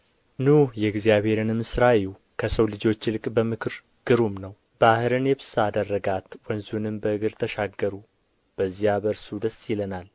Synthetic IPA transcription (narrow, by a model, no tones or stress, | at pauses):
nujɛɡzijaβhe̞ɾɨnɨmɨsɾaju | kʰəsəwlɨd͡ʒo̞t͡ʃːlɨkʼbəmɨkʰɨɾ | ɡ̥ɨɾumnəw | b̥ahɨɾɨnjɛbɨsad̪ərːəɡat̪wənzunɨmbəɨɡɨɾt̪ʰəʃaɡːəɾu | b̥əzːijabəɾsud̪əsːjɪlənal